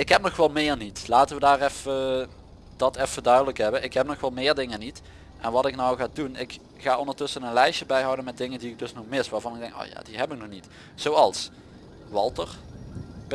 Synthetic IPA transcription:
ɪkɦɛp̚nɔxʋɛlˠmɪːɹnitlaːtəʋədaːrɛfə | d̥ɑtɛfədœɥdələkɦɛbənʔɪkɦɛp̚nɔxʋɛlˠmɪːɹdɪŋənit | ʔɛnʋɑtɪknɔwɣaːdunɪk | χaːondəɹtɵsənənlɛjʃəbɛjɦɑwdənmɛd̚dɪŋəndiɪɡ̚dɵsnɔxmɪstʋaːɹvɑnɪɡ̚dɛŋko̰ːja̰ːdiɦɛpɪk̚nɔxnit | z̥owɑlˠs | ʋɑlˠtəɹ | b

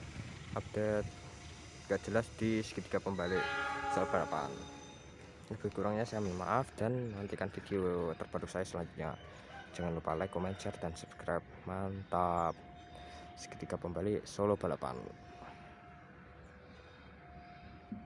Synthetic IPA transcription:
ʔap̚d̥et̪̚ | ɡaʔd͡ʒəlasd̥isə̥kət̪i̥kapəmbalisolob̥alapa̰n | ləbəɡuɾaŋɲasajamənma̰ʔafd̥anmənant̪ikanfid̥iot̪ərb̥aɾusajasəlaɲd͡ʒut̪̚ɲa̰̥ | d͡ʒəŋanlupa̰lajkomɛnt͡ʃərdansub̥skɾajp̚mant̪ap̚ | sə̥kə̥t̪ikapəmbalisolob̥alapa̰n

